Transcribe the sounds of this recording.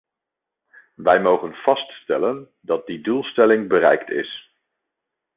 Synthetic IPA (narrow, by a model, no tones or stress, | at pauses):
ʋɛjmowχənv̥ɑststɛlən | dɑt̚didulˠstɛlɪŋbəɾɛ̰jktɪ̰s